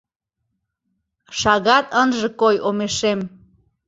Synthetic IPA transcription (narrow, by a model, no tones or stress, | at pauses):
ʃɑɣɑt̪ənʒɤ̆kojʔomeʃem